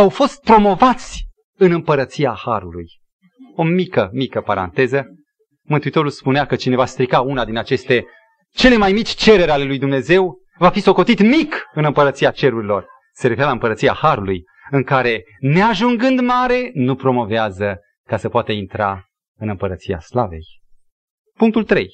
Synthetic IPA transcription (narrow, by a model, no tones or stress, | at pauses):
awfo̞st̪̚pɾo̞mo̞vat̪sʲ | ɨnɨmpəɾət̪sijahaɾuluj | o̞mikəmikəpaɾa̰nt̪e̞zə | mɨnt̪uit̪o̞ɾulspuneakət͡ʃine̞vast̪ɾikaunad̪inat͡ʃe̞st̪e̞ | t͡ʃe̞le̞majmit͡ʃʲt͡ʃe̞ɾe̞ɾale̞lujd̪umne̞ze̞w | vafiso̞ko̞t̪it̪mikɨnɨmpəɾət̪siat͡ʃe̞ɾuɾilo̞r | se̞ɾefeɾalaɨmpəɾət̪sija̰haɾuluj | ɨŋkaɾe̞ | ne̞aʒuŋɡɨnd̪maɾe̞nupɾo̞mo̞veazə | kasəpoat̪əint̪ɾa | ɨnɨmpəɾət̪sija̰slavḛj | puŋk̚t̪ult̪ɾe̞̰j